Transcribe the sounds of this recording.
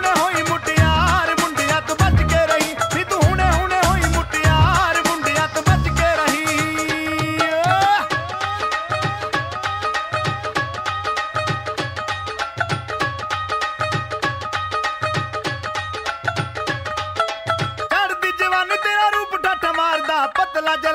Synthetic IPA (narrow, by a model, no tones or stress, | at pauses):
neːɦoːĩːmʊʈːɪjãːɾmʊɳɖɪjãːt̪ːbət͡ʃkeːɾəɦĩːmĩːt̪uːɦʊneːɦʊnẽːɦoːĩːmʊʈɪjãːɾmʊɳɖɪjãːt̪ːbət͡ʃkeːɾəɦĩː | t͡ʃəɾd̪iːd͡ʒəʋaːnũːt̪eːɾaːɾuːpɖaʈʰːmaːɾd̪aːbəd̪laːd͡ʒə